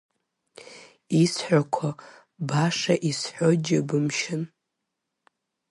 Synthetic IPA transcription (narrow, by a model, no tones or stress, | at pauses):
isħᶣʷakʷʰa | baʂaʔisħʷod͡ʒɪbɨmʃɪn